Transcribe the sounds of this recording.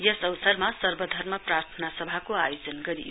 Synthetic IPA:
jʌsʌwsʌrmasʌrbʌd̪ʱʌrmʌprart̪ʰʌnasʌbʱakoajod͡zʌnɡʌɾḭ

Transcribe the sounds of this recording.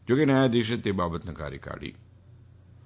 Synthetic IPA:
d͡ʒoːkenəjad̪ɪʃət̪ebaːbət̪nəka̰ːɾjə̰ka̰ːɽḭː

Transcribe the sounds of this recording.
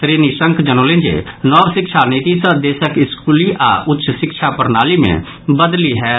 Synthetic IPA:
t̪ɾeːnisə̃ŋkd͡ʒənolẽːɲd͡ʒḛːnɔːbsɪkʃʰaːniːt̪isəd̪eːsəkɪskuːliʔaːʔʊtːʃsɪkʃʰapɐɾnaːlimḛ̃ | bəd̪liɦɛː

